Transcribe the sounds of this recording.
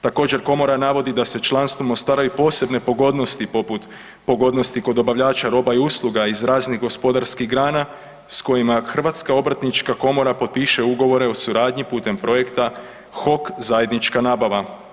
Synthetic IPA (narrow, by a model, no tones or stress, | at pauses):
t̪ako̞ːd͡ʑe̞ɾko̞mo̞ɾanaʋo̞d̪id̪ase̞t͡ʃlˠanst̪vomost̪aːɾajupo̞ːse̞bne̞poɡo̞d̪no̞st̪ipoput̪ | po̞ɡo̞d̪no̞st̪iko̞d̪o̞baʋʎaːt͡ʃaɾo̞ːbaiuslˠuɡaizɾaːzniɦɡo̞spo̞d̪aɾskiɣɡɾaːna | sko̞jimaxr̩ʋaːt̪skao̞bɾat̪nit͡ʃkako̞mo̞ɾapo̞d̪̚piʃe̞uɡo̞ʋo̞ɾe̞o̞suɾaːd̪ɲipuːt̪e̞mpɾo̞je̞kt̪a | xo̞kzaje̞d̪nit͡ʃkanaːbaʋa